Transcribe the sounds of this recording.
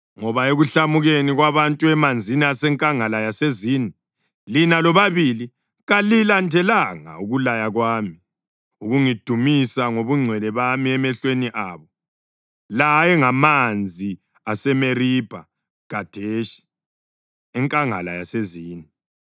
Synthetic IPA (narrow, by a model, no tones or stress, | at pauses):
ŋɔβaeɣuɬamuɣeniɣwaβantʼuɛmand͡zʱiniasɛŋkʼaŋalajaseziːni | linalɔβaβili | ɣalilantʰɛlaŋa̰uɣulajaɣwaːmi | uɣuŋid̥ʱumisaŋoβuŋ͡ǀʱwɛlɛβamiɛmɛɬweniʔaːβɔ | lajɛŋamand͡zʱi | asɛmerib̥ʱa̰ | ɡ̥ʱad̥ʱeʃi̥ | ɛŋkʼaŋa̰lajaseziːni